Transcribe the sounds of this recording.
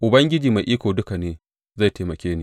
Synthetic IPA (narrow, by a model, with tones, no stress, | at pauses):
ʔʊ˨bɐ˦ŋɡʲɪ˦d͡ʒiː˨ma˨jʔiː˦kʷoː˨dʊ˦ka˨neː˦ | za˦˨jte˨mɐ˨kʲeː˦neː˨